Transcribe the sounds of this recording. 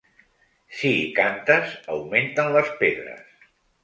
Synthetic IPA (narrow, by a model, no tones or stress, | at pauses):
siːkant̪əzəwment̪ənləspeðɾə̰s